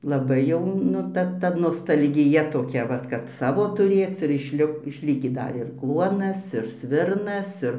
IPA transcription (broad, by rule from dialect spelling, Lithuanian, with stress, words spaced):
lˠɐˈbɐɪ jɛʊ ˈnʊ ˈtɐ ˈtɐ noːstɐlʲɡʲɪˈjɛ toːˈkʲɛ ˈʋɐt kɐt ˈsɑːʋoː tʊˈrʲeːt͡s ɪr ɪʃʲˈlʲɪ ɪʃʲˈlʲɪkʲiː ˈdɐ ɪr ˈklˠuɔnɐs ɪr ˈsʲʋʲɪrnɐs ˈɪr